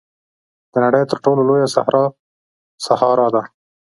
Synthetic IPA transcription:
d̪̥ənaɽəjt̪əɾʈololojasa̰hɾɑ | sahɑɾɑd̪a

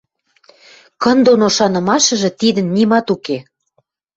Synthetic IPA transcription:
kə̆nd̪onoʃɑnɤ̆mɑʃɤ̆ʒĕt̪id̪ə̆nːimɑt̪uke

